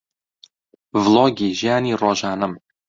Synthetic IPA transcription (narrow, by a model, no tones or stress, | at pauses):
vlˠoɡʲiʒanirɒʒanəm